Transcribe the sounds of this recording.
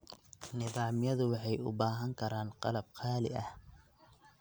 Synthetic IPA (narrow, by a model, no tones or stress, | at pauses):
nɪðɑːmɪjɐðʊwɑħɑjʊ̰baːɦɐŋkʰɐɾaːnqɑlɐb̚qʰɑːlɪ̰ɐh